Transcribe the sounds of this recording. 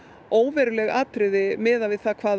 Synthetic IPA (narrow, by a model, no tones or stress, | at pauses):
oːwvɛɾʏlɛɣaːt̪ɾɪðɪmɛːðavɪðθakʰvaːð